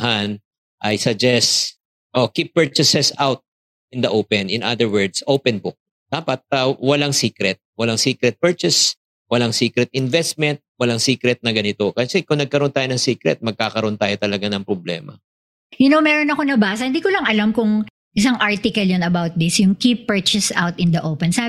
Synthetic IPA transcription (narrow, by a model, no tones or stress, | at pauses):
han | ʔɐjsɐɡ̚d͡ʒɛst̪ | ʔo̞kipːɛɹt͡ʃɪsɛsawt̪̚ | ɪnd̪ɐʔowpɛnɪ̰nʔad̪ɛɹwɛɹd̪sʔowpɛnbʊk̚ | d̪̥aːpɐt̪̚ɐwɐlaŋsiːkɾɛt̪̚wɐlaŋsiːkɾɛt̪̚pɛɹt͡ʃɛs | wɐlaŋsiːkɾɛt̪̚ɪnvɛst̪̚mɛnt̪̚wɐlaŋsiːkɾɛt̪̚nɐɡɐnɪt̪o̞kɐsɛkʊŋnɐɡ̚kɐɾoʔont̪aːjonɐŋsiːkɾɛ̰t̪̚mɐɡ̚kaːkɐɾoʔont̪aːjot̪ɐlɐɡanɐŋpɾoblɛ̰ːmɐ̰ | jʊnomɛɾonɐkonɐbaːsɐhɪnd̪iːkolɐŋɐlamkʊŋ | ʔɪs̬ɐŋʔaɹt̪ɪkɐljɐnɐbawt̪̚d̪ɪsjʊŋkipːɛɹt͡ʃɛsa̰wt̪ɪnd̪ɐʔowpɛnsa